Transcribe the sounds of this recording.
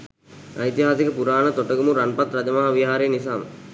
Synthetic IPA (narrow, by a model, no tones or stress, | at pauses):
ɐjt̪iɦaːsikəpuɾaːnət̪oʈəɡumuɾanpat̪ɾɐd͡ʒəmaɦaʋiɦaːɾeːnisaːmə̰